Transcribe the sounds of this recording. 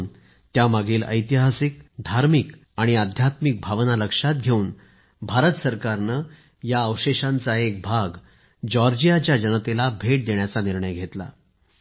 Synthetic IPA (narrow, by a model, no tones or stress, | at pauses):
n | t̪jamaɡiːlə̰jt̪iɦasik̚d̪ʱaɾmik | aɽ̃iad̪ʱjat̪mik̚bʱaʋnaləkʂat̪̚ɡʱeuːn | bʱaɾət̪səɾkaɾnə | jaəwɕeɕãnt͡saek̚bʱaɡ | d͡ʑɔɾd͡ʑijat͡ɕjad͡ʑənət̪elabʱeʈ̚d̪eɳjat͡saniɾɳəjɡʱet̪la̰